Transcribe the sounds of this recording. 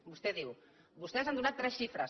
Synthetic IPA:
bust̪ɛðiw | bust̪ɛzand̪unat̪ːɾɛsʃifɾɐ̰s

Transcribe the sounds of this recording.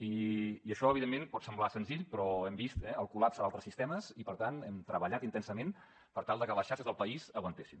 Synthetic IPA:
iiəʃɔəβiðemːenpɔt̪səmblasənziʎpɾɔɛmbist̪ɛəlˠkulapsəalˠt̪ɾəsist̪ɛməzipəɾt̪anɛmt̪ɾəβəʎat̪int̪ɛnsəmen | pəɾt̪alˠd̪əkələsʃaɾʃəzðəlˠpəizəɣwənt̪esin

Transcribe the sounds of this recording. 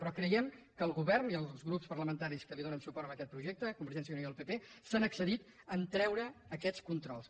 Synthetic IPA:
pɾɔkɾəjɛmkəːlˠɣuβɛrniəlˠzzɣɾupspərləmənt̪aɾiskəliðonənsupɔɾəməkɛt̪̚pɾuʒek̚t̪əkumbəɾʒɛns̬jəunioðəlˠpepesanəksəðit̪ | ənt̪ɾɛwɾəːkɛt͡skunt̪ɾɔlˠs

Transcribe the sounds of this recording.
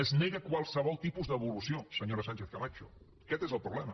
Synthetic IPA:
əzneɣəkwalˠsəβ̞ɔlˠt̪ipuzðəβulusiosəɲoɾasãnt͡ʃeθkalat͡ʃu | kɛt̪ezəlˠpɾuβlɛmɐ

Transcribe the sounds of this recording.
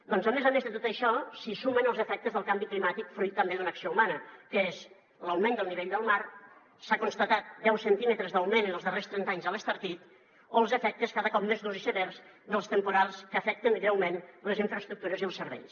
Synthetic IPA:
d̪ɔnzəmezəmezðət̪ot̪əʃɔsisumənəlˠzəfɛk̚t̪əzðəlˠkambiklimat̪ikfɾujt̪ːəmbeðunəksioumanəkəez | ləwmɛnd̪əlˠniβeʎd̪əlˠmaɾ | sakunst̪ət̪at̪̚d̪ɛwsənt̪imət̪ɾəzðəwmenənəlˠzðərest̪ɾɛnt̪aɲzələst̪əɾt̪it̪ | oəlˠzəfɛk̚t̪əskaðəkɔp̚mezðuzisəβɛɾz | ðəlˠst̪əmpuɾalˠskəːfɛk̚t̪əŋɡɾɛwmenləziɱfɾəst̪ɾuk̚t̪uɾəziəlˠsəɾβɛ̰ʎs

